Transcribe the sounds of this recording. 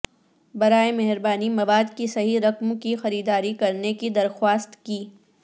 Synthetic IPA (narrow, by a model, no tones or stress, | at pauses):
bɐɾaːemɛɦɾbaːnimɐʋaːd̪kisɐɦiɾɐqmkixɐɾiːd̪aːɾikɐɾnekid̪ɐɾxwaːst̪kiː